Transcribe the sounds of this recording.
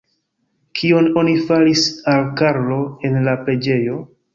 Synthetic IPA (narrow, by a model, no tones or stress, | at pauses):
kʰio̞no̞nifalisalkaɾlo̞e̞nlapɾe̞d͡ʒe̞jo̞